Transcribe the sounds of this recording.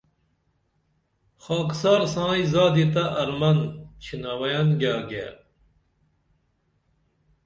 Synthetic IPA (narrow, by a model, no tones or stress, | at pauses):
xaːksaːɾsãːizaːd̪it̪aʔɐɾmɐnt͡ɕʰinawɐjanɡaːɡḛ